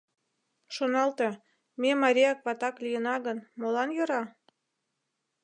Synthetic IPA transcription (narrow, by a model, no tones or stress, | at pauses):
ʃonɑlt̪e | memɑɾʲijɑkβɑt̪ɑklʲijənɑɣənmolɑnjɤ̆ɾɑ